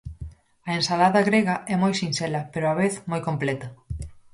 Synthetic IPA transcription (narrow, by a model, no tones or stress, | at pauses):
ɐensalaðɐɣɾeɣɐʔɛmojsinsɛlɐpeɾoaβeθmojkomplɛt̪ɐ